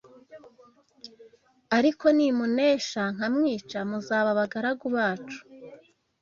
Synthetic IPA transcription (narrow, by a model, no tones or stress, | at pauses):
aɾiko̞nimuneːʃaŋ̥hamŋiːt͡ʃamuzaːβaβaɡaɾaɡuβaːt͡ʃu̥